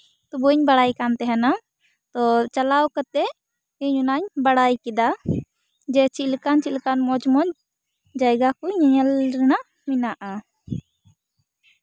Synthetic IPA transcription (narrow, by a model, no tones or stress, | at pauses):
t̪ubuɲbaɽajkant̪ɛɦɛna | t̪ɔt͡ʃalawkət̪ɛ | iɲunaɲbaɽajkid̪a | d͡ʒɛt͡ʃilkant͡ʃilkanmɔd͡ʒmɔɲ | d͡ʒajɡakuɲɛɲɛlɾɛna | minaʔa